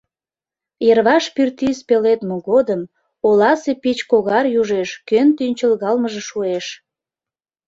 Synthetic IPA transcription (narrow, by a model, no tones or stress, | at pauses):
jerβɑʃpyrt̪ispelet̪moɣod̪əm | olɑsepit͡ɕkoɣɑrjuʒeʃkønt̪ynʲt͡ɕəlɣɑlməʒeʃueʃ